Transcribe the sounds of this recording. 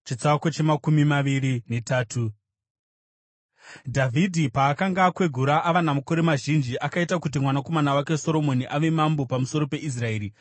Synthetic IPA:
t͡ʃit͡sakot͡ʃemakumimaʋiɾine̞taːtʰu | dʱavʱidʱipaːkaŋɡakwe̞ɡʱuɾaʔaʋanamuko̞ɾe̞maʒind͡ʒiʔakaitakut̬imwanako̞manawake̞so̞ɾo̞mo̞niʔaʋe̞mambo̞pamuso̞ɾo̞pe̞ʔis̬rae̞ːɾi

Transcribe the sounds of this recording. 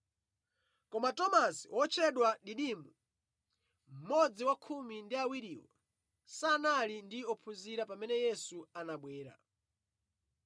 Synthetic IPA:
kɔmatɔmasiwʔɔt͡ʃʰɛɗwaɗiɗimu | m̩mɔd͡ziwakʰumindiawiɾiːwɔ̰ | saːnalindiɔpʰuziɾapamɛnɛjɛsuanaɓwɛːɾa̰

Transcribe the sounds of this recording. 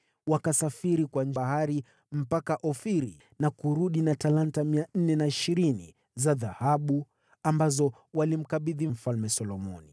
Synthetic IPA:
wakasafiɾikwanahaɾi | m̩pakaʔɔfiɾḭ | nakuɾuɗinatalantamian̩nɛnaiʃiɾinḭ | zaðahaɓu | ambazɔ | walim̩kaɓiðim̩falmɛsɔlɔmɔ̰ni

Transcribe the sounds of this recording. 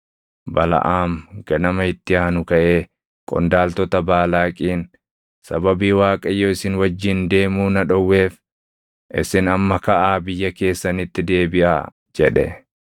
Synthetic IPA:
bɐlɐ̰ʔaːmɡ̥ɐnɐmɐɪt̪ːɪjaːnʊkɐʔe̞ː | kʼɔ̰nd̪aːlt̪ɔt̪ɐbaːlaːkʼiːn | sɐbɐbiːwaːkʼɐjːoːɪsɪnwɐd͡ʒːɪnd̪e̞ːmuːnɐᶑɔwːe̞ːf | ʔɪ̰sɪnɐmːɐkɐʔaːbɪjːɐke̞ːsːɐnɪt̪ːɪd̪e̞ːbɪʔa̰ː | d͡ʒɛᶑɛ̰

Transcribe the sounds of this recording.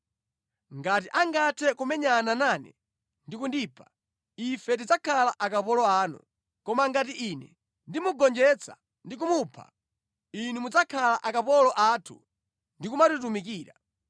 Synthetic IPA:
ŋɡat̬iʔaŋɡatʰɛkumɛɲananaːnɛ̰ | ndikundiːpʰḁ | ifɛt̬id͡zakʰalaʔakapɔlɔaːnṵ | kɔmaŋɡat̬iʔinɛ̰ | ndimuɡɔnd͡ʒɛt͡sʰa̰ | ndik̬umupʰa̰ | inumud͡zakʰalaʔakapɔlɔʔaːtʰṵ | ndikumatut̬umikiːɾa

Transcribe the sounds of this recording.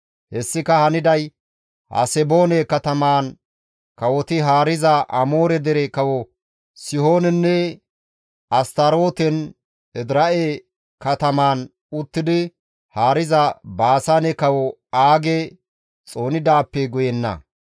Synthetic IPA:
hɛsːɪkɐhɐnɪd̪ɐj | hɐ̰sɛbo̞ːnekɐt̪ɐmaːn | kɐwɔt̪ɪɦaːɾɪzɐʔɐmo̞ːɾɛd̪ɛɾɛkɐwɔ | sɪho̞ːnɛnːɛ | ɐst̪ɐɾo̞ːt̪ɛn | ɛd̪ɾɐʔe | kɐt̪ɐmaːn | ʊt̪ːɪd̪ɪ | haːɾɪzɐbaːsanɛkɐwɔaːɡɛ | t͡sʼo̞ːnɪd̪aːpːɛɡɔjɛnːɐ̰

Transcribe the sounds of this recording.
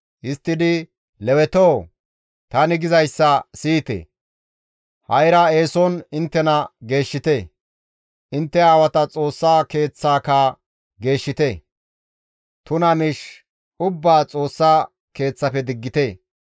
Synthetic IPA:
ʔɪst̪ːɪd̪ɪ | lɛwɛt̪oː | t̪ɐnɪɡɪzɐjsːɐsiːt̪ḛ | hɐjɾɐe̞ːsɔnɪnt̪ːɛnɐɡe̞ːʃːɪt̪e | ʔɪnt̪ːɛaːwɐt̪ɐt͡sʼo̞ːsːaːke̞ːt͡sːaːkaː | ɡe̞ːʃːɪt̪e | t̪ʊnɐmɪʃ | ʊbːaːt͡sʼo̞ːsːaː | ke̞ːt͡sːɐpɛd̪ɪɡːɪt̪eː

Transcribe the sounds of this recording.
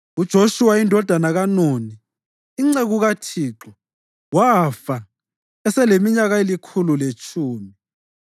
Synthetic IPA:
ud̥ʒ̥ʱoʃuwaindʱɔd̥ʱanaɣanoniː | ŋ͡ǀeɣuɣatʰiːǁɔ | wafa | ɛsɛlemiɲaɣaelikʰululet͡ʃʰʼuːmi

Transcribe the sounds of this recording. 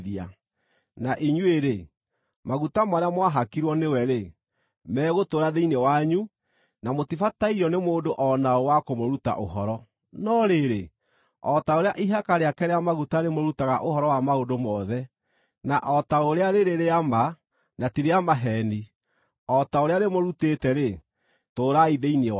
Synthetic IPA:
ðia̰ | naʔiɲueɾe | maɣutamaɾeamwaɦakiɾwɔnewɛɾe | mɛːɣotoɾaðeinewaɲu | namotifataiɾɔnemoːndoʔɔnaɔwakomoɾuta̰ʔoɦɔɾɔ | nɔɾeɾe | ɔtaoɾeaʔiɦakaɾeakɛɾeamaɣutaɾemoɾutaɣa̰ʔohɔɾɔwamaodomɔðɛ | naʔɔtaoɾeaɾeɾeɾeama | natiɾeamaɦɛni | ɔtaoɾeaɾemoɾutetɛɾe | toːɾaiðeine

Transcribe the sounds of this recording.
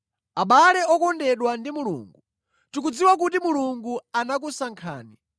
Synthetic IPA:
aɓalɛɔkɔndɛɗwandimulṵːŋɡu | tik̬ud͡ziwak̬ut̬imuluŋɡuanak̬usaŋkʰa̰ːni

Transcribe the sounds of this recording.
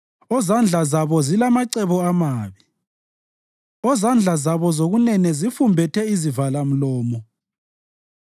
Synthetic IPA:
ɔzand͡ɮʱazaβɔzilamaǀɛβɔamaːβi | ɔzand͡ɮʱazaβɔzoɣunɛnɛzifumbʱɛtʰɛizivalam̩lɔːmɔ

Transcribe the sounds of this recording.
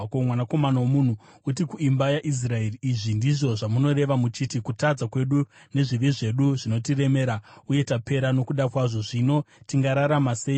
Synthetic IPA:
omwanako̞manawomun̤u | ut̬ikuimbajaʔis̬raeriːʐindiʐo̞ʐamuno̞ɾe̞ʋamut͡ʃitikutad͡zakwe̞ɗune̞ʐiʋiʐe̞ɗuʐino̞tire̞me̞ɾauje̞tape̞ɾano̞kuɗakwaʐo̞ʐino̞tiŋɡaɾaɾamaseːj

